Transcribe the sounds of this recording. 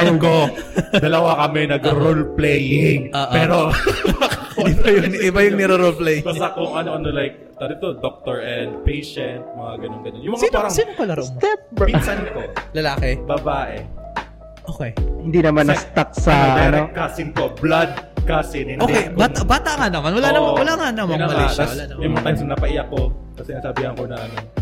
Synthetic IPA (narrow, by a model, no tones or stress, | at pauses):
ɐkod̪ɐlɐwakɐmɛnɐɡɾolplɛjɪŋoːʔpɛːɾo | ɪbɐjʊŋɪbajʊŋnɛɾɐɾolplɛjɪbaɐkʊŋʔɐnoʔɐnolajk̚t̪ɐɾɪt̪od̪ok̚t̪oɹʔɛnd̪̚pejʃɛnt̪̚mɐŋaɡɐnoŋɡɐnonjʊmɐapaːɾɐŋsinkolɐɾot̪ɛpmisɐnt̪olɐlaːkɛbɐbaːʔɛ | ʔoːkɛhɪ̃nd̪inɐmanːɐst̪ak̚sɐɐɾokasɪnkoblad̪̚kasɪnhɪ̃nʔoːkɛbaːabaːt̪aŋanɐmanwɐlanɐmawɐlaŋanɐmɐnmɐiawɐlanɐmmjmɐŋaasɐnɐpɐʔɪjakosɐsɪnasɐbihɐnkonɐʔɐno